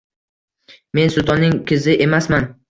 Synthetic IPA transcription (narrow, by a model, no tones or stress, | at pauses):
me̞nsʊd̪ɒnːɪŋkʲʰɪzɪʔe̞masman